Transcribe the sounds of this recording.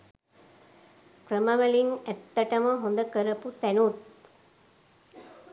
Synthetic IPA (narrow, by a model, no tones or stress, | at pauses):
krəmɐʋɐliŋæt̪ːɐʈɐməɦond̪əkəɾɐput̪ænut̪̚